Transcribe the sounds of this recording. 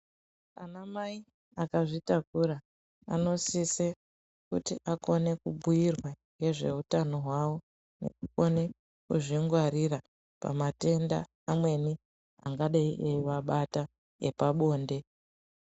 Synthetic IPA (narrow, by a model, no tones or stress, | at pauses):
anamai | akaʐitakuɾa | a̰no̞sise | kutiʔako̞ne̞kubʱujirwaŋɡe̞ʐe̞ɦutano̞ɦwawo̞ | ne̞̰kuko̞ne̞ | kuʐiŋɡwaɾira | pa̰mate̞nda̰ː | mwe̞ni | a̰ŋɡaɗaiʔeʋaɓata | epaɓo̞ːnde̞